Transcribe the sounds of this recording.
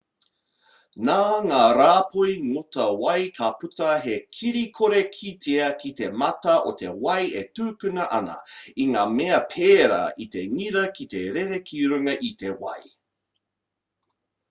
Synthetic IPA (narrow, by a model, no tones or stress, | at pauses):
naːŋaːɾaːpʰojŋotɐwɐjkʰaputɐɦekʰiɾikʰoɾekʰitʰeɐkit̪e̞mɐtɐʔot̪ʰḛwɐjetʉːkʉnɐʔɐnɐ̰iŋaːmeɐpʰeːɾɐ̰ʔiteŋiɾɐkiteɾeɾekʰiɾʉŋɐʔitewɐ̰j